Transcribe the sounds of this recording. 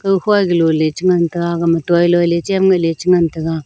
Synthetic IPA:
kəhɡəlolet͡ʃiŋantəɡaɡamatailolet͡ʃemɡəlet͡ʃiŋantəɡa

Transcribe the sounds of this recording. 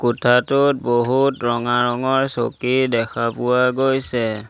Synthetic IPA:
kutʰatʊt̚boɦutɹɔŋaɹɔŋɔɹso̰kidɛkʰapʊwaɡojsɛ

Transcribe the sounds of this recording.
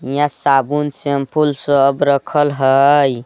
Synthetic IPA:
jãsabunsempʰulsə̃əbɾəkʰəlɦəj

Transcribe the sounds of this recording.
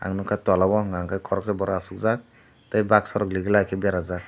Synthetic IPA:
a̰ŋnɔkʰatɔlabɔɔŋɡaŋkʰajkʰɔɾɔk̚sɛbɔɾaːsuk̚zak̚ | tajbak̚sɔɾɔkliɡilakʰɛbaɾazak̚

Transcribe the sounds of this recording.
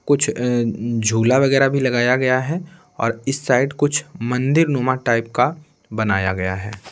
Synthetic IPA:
kʊt͡ʃʰ | d͡ʒʱuːlaʋɐɣɛːɾabʱilɐɡaːjaɡɐjaɦɛ | ɔ̰ːɾɪsːaːɪɖkʊt͡ʃʰmɐ̃nd̪ɪɾnoːmaʈaːɪp̚ka | bɐnaːjaɡɐja̰ɦɛː

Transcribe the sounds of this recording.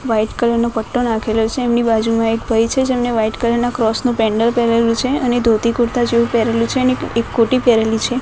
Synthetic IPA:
ʋaiʈkələɾnopəʈːonakʰelot͡ʃʰeːmnibad͡ʒumãek̚bʱəjt͡ʃʰed͡ʒemneʋaiʈkələɾnakɾɔsnũpɛ̃ɳɖəɾpeɾelũt͡ʃʰeəned̪ʱot̪ikuɾt̪ad͡ʒeũpɛɾelũt͡ʃʰeəneekːoʈipɛɾelit͡ʃʰe

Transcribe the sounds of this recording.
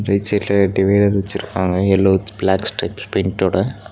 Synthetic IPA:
ɾɐɪt͡ʃɐlːɐɖɪʋɐɪɖɐɾʋɐt͡ʃːɪɾɯkːaːŋɡɐɛlːoːblaːksʈɐɪpspɪnʈːoːɽɐ

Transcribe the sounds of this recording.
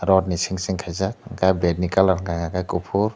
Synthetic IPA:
ɾɔdnisiŋsiŋkʰajzakɡajbednikalaɾŋɡajŋaɡajkupʰuɾ

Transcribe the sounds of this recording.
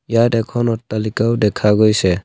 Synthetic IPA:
jadɛkʰɔnɔtalikawdɛkʰaɡɔjsɛ

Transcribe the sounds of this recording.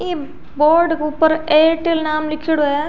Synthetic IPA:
iː | boːɾɖkupːɐɾeːʈːilnaːmlɪkʰːiɽueː

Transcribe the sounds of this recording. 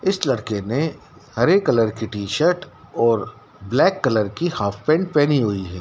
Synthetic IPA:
ɪslɐɽkenẽ | hɐɾekːɐləɾkiʈiːʃəɾʈɔːɾ | blɛːkːɐləɾkihaːfpɛ̃ːɳɖ̚pɛːniɦʊiɦɛː

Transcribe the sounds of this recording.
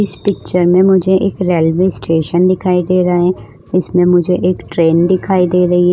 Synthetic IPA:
ɪspɪk̚t͡ʃəɾmẽmʊd͡ʒʱeʔeːkɾɛːlʋeːsʈeːʃənd̪ɪkʰaːid̪eːɾɐɦaɦɛ | ɪsmẽmʊd͡ʒʱeʔeːkʈɾeːnd̪ɪkʰaːid̪eːɾɐɦiɦɛ

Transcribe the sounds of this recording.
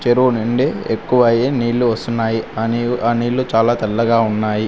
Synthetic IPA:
t͡ʃeɾunuɳɖeekːuʋɐjeːniːlːuʋɐst̪unːaːjiɐianiːlːut͡ʃaːlaːt̪ɐlːɐɡaːunːaːji

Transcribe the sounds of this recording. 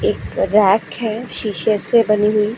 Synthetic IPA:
eːkɾɛːkɦɛʃiːʃəsebɐniɦui

